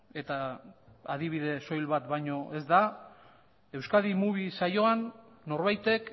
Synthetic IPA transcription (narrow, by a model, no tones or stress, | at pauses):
e̞t̪a | aðiβ̞iðe̞so̞jlβat̪bajɲo̞ʔe̞zd̪a | e̞wskaðimuβisajo̞anː | o̞ɾβajt̪e̞k